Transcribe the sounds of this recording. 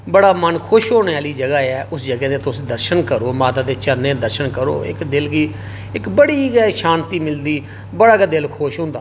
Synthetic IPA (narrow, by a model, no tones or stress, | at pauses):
bəɽaːmənkʰʊʃɦoːneːaːliːd͡ʒəɡaːɛːʊsd͡ʒəɡɛːd̪eːt̪osd̪əɾʃənkəɾoːmaːt̪aːd̪eːt͡ʃəɾneːd̪əɾʃənkəɾo̰ːɪ̰kd̪ɪlɡiː | ɪkbəɽiːɡɛːʃãːnt̪iːmɪld̪iː | bəɽaːɡəd̪ɪlkʰʊʃɦʊ̃ːnd̪aː